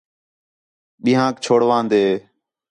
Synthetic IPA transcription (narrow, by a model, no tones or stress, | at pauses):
ɓĩːɦãːk̚t͡ʃʰoːɽʋãːnd̪eː